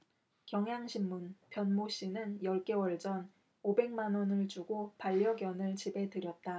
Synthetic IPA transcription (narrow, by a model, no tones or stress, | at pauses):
kjʌŋɦjaŋɕʰimːunpjʌnmoɕ͈inɯnjʌɭk͈e̞wʌɭd͡ʑʌn | obe̞ŋmanwʌnɯɭt͡ɕuɡopaʎːʌɡjʌnɯɭt͡ɕibe̞tɯɾjʌt̚t͈a